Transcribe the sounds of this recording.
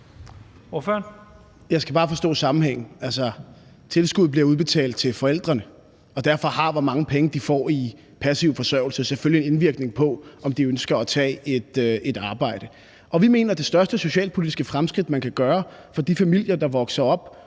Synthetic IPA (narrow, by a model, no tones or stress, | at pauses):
ʋɔføɐn | jɑ̈ɪsɡ̥æb̥ɑ̈ːfɒ̽sd̥ɔ̰̽ːsɑ̈mm̩heŋ̰n̩ælsɐ | t͡sʰe̝lsɡ̥uð̞̩ˠbliɐuð̞ˠb̥e̝t͡sʰɛ̰ːld̥̚t͡sʰe̝lfɒ̽el̰d̥ʁɐnə | ɒ̽d̥æɐfɒ̽hɑ̈ʋɒmɑ̈ŋəpʰeŋəd̥ifɒ̰ːi | pʰæsiʊfɒ̽sœɐ̰ʊ̰l̩sɐseføliene̝nʋiɐɡ̥ne̝ŋpʰɒ̽ɒ̽md̥iønsɡ̥ɐæt͡sʰɛ̰ːe̝d̥e̝d̥ɑ̈ːb̥ɑ̈ɪ̰d̥ə | ʔɒ̽ʋime̝̰ːnɐd̥e̝sd̥ɶɐsd̥əso̝ɕɛ̰ːlpʰo̝lid̥isɡ̥əfʁamsɡ̥ʁid̥mænkʰæɡ̥ɶːɐfɒ̽d̥ifæmil̰jɐd̥ɑ̈ʋɒ̽ɡ̥sɐɒ̽b̥